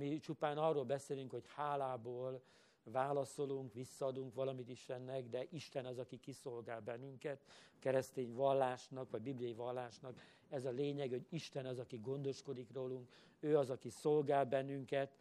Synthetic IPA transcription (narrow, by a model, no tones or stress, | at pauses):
mit͡ʃupaːnɒrːoːlbɛseːlyŋkho̞chaːlaːboːl | vaːlɒso̞luŋkʋisːɒːd̪uŋkʋɒlɒmit̪iʃlɛnːɛɡd̪ɛʔiʃt̪ɛnɒzɒkikiso̞lɡaːlbɛnːyŋkɛt̪kɛɾɛst̪eːɲvɒlːaːʃnɒkʋɒɟbiblijɒjivɒlːaːʃnɒk | ɛzɒleːɲɛɡɛho̞ɟiʃt̪ɛnɒzɒkiɡo̞nd̪o̞ʃko̞d̪ikroːluŋk | øːɒzɒkiso̞lɡaːlbɛnːyŋkɛt̪